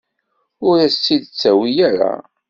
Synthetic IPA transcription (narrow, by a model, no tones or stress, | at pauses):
ʊɾæst͡sːid̪ət͡sːæwijæɾa̰